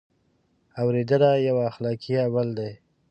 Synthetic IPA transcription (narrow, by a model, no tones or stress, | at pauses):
awɾed̪əlajawaːxlɑkʰijawald̪aj